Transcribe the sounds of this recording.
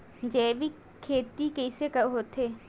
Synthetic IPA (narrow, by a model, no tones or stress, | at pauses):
d͡ʒɛːbi | kʰːeːt̪ikɛːɪsekɐɦoːt̪eː